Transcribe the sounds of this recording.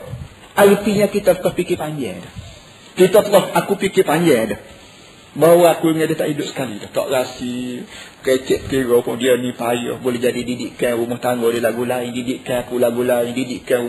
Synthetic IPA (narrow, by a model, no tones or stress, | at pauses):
aipiɲãkit̪at̪əkɔhpikipaɲd͡ʒɛdəh | kit̪at̪əkɔhakupikipaɲd͡ʒɛdəh | bawaakuŋadəht̪aʔidʊʔsə̥kalidaht̪ɔ̰ʔɣasi | ket͡ʃɛt̪ʔ̪̚kiɾopʊndiənipajɔ̰hbolɛhd͡ʒadididiʔkanɾumɔht̪aŋɡodilaɡulaiŋdidiʔkanakulaɡulaiŋdidiʔkanu